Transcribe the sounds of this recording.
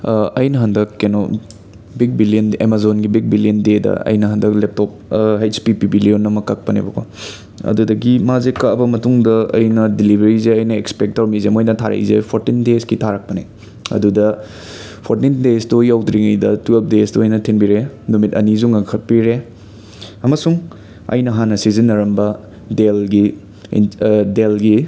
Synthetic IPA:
ɐjnɐɦɐndɐkːeno | bik̚bilijɐnemazonɡibik̚bilijɐndedɐ̰ɐ̰jnɐɦɐndɐklep̚tɔp̚ɦajspipibilionːɐmɐkːɐk̚pɐnḛbɐkʰo̰ | ɐ̰dudɐɡimazekɐbɐmɐtuŋdɐɐ̰jnɐdilibʱeɾizeɐjnɐekspek̚tɐɾmizemojnɐtʰaɾɐ̰jzḛpʰoɾtindeskitʰaɾɐk̚pɐnḛ | ɐ̰dudɐ | pʰoɾtindestojawdɾiŋɐjdɐtuɐp̚desdoːjnɐtʰinbiɾenumitɐnizuŋɐŋkʰɐt̚piɾe | ɐmɐsuŋ | ɐ̰jnɐɦanɐsizinːɐɾɐmbɐ | delɡḭ | delɡi

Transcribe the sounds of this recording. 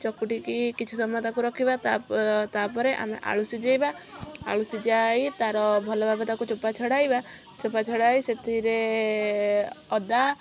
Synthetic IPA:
t͡ʃɔkuʈikikit͡ʃʰusɔmɔt̪akuɾɔkʰibat̪at̪apɔɾeʔa̰mḛʔa̰ɭusid͡ʒejbaa̰ɭusid͡ʒajt̪aɾɔbʱɔlɔbʱabet̪akut͡ʃopat͡ʃʰɔɽajba | t͡ʃopat͡ʃʰɔɽajset̪ʰiɾe | ɔd̪a

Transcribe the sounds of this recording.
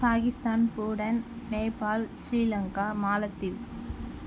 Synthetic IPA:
paːɣɪst̪aːnpuːɽɐn | neːpaːlsɾiːlɐŋkaːmaːlɐt̪ːiʋ

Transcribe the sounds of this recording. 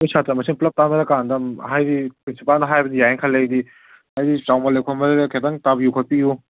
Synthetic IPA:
ojsʰatɾɐmɐsinplɐp̚tanɐdɐkandɐmɦajdipɾinsipalnɐɦajbɐdijajeŋkʰɐlːejdi | ajdit͡ʃawmɐlejkʰomɐɾɐɾɐkʰetaŋtabijukʰopiju

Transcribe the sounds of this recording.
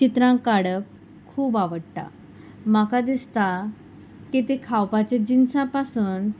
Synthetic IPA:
t͡ɕit̪ɾãŋkaɽəp | kʰuːbaʋəɽʈ̪a̰ | makad̪ist̪a | kit̪ekʰawpat͡ɕed͡ʑinsãpasuːn

